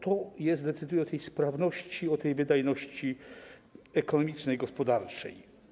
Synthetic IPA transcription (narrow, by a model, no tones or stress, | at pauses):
t̪ɔjɛst̪d̪ɛt̪sɘd̪ujɛɔt̪ɛjspɾavnɔɕt͡ɕiɔt̪ɛjvɘd̪ajnɔɕt͡ɕi | ɛkɔnɔmʲit͡ʂnɛjɡɔspɔd̪aɾt͡ʂɛ̰j